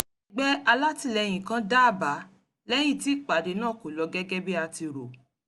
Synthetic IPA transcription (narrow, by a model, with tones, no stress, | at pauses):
ɡ͡bɛ˦a˧la˦ti˦˧˨lɛ˧j̃ĩ˨kã˦da˦˨ba˨˦ | lɛ˦j̃ĩ˦˨ti˦k͡pa˨de˨˦nãː˦˨ko˨lɔ˨˧˦ɡɛ˦ɡɛ˦bi˦a˧ti˧ɾo˨